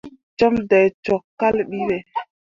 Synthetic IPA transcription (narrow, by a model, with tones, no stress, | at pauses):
t͡ʃɔ˦mda˨jt͡ʃɔ˨kːa˦lɗi˦be˨